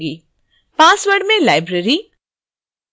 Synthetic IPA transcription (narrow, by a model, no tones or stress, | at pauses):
ɡiː | paːsʋəɾɖmẽlaːɪbɾeɾi